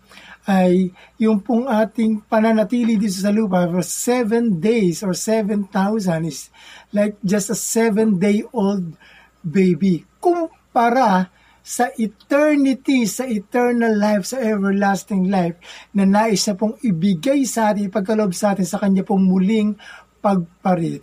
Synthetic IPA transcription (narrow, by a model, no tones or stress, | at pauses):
ʔɐjːʊŋpʊŋʔaːt̪ɪŋpɐnɐnɐt̪iːlid̪iːt̪os̬ɐluːpɐfsɛvɛnd̪ejsoɹsɛvɛnt̪awsɐnɪslajk̚d͡ʒɐst̪ɐsɛvɛ̃nd̪ejʔold̪̚ | bejbikʊm | pɐɾa | sɐʔɪt̪ɛɹnɪt̪isɐʔɪt̪ɛɹnɐlːajfsɐʔɛvɛɹlast̪ɪŋlajfnɐnaːʔɪsɐpʊŋɪbɪɡajsɐʔaːt̪ɪŋɪpɐɡ̚kɐloʔoɡsɐʔaːt̪ɪnsɐkɐɲapʊŋmʊlɪŋpɐɡ̚pɐɾɪ